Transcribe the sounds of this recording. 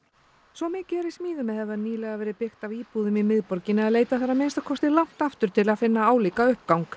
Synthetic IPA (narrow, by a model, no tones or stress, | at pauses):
svɔmɪːcɪɛɾɪsmiːðʏmɛðhɛvðaniːlɛɣavɛːɾɪpɪxt̪aviːpuːðʏmimɪðpɔɾcɪnɪaðleːjt̪aθaɾːamejnst̪akʰɔst̪ɪlaŋ̥t̪aft̪ʏɾ̥t̪ʰɪlaðfɪnːaaːwliːkaʏhpkawŋk